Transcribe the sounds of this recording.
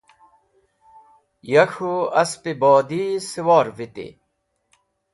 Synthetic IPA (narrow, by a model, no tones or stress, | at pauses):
jɐkʰuɐspiboːd̪isiwaːɾvit̪ḭ